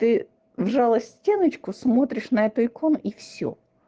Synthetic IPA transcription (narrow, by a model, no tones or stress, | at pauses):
t̪ɪ | ʋʒɑlˠɐsʲtʲenɪt͡ʃkʊsmɔt̪ɾʲɪʃnɐɛt̪ʊikɔniwsʲɔ̰